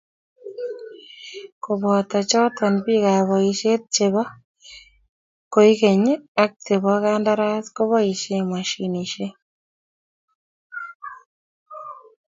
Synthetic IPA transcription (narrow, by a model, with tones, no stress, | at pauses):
ko˨bɔ˨t̪a˨t͡ʃɔ˦tʰɔ˨npi˦ka˨βɔ˨i˨ʃe˦t̪̚t͡ʃe˨bɔ˦ | ko˨i˦ke˨ɲe˦a˦k̚t͡ʃe˨bɔ˦ka˦nda˦ɾa˦tko˦βɔ˦i˨ʃe˦ma˨ʃi˨ni˨ʃe˦